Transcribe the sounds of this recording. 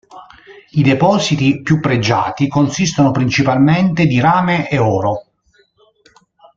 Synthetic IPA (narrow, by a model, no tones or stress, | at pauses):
id̪epɔːzit̪ipjupːɾed͡ʒːa̰ːt̪ikonsist̪onopɾint͡ʃipalment̪ed̪iɾaːmeʔeɔːɾo